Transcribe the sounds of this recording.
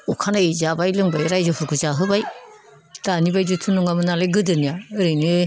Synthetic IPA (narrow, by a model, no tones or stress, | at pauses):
ukʰanaezabajlɯŋbajɾajzɔpʰuɾkuzaɦɯbaj | d̥anibajd͡ʒutʰunuŋamɯnalejɡɯdɯnijaɯɾɯjnɯ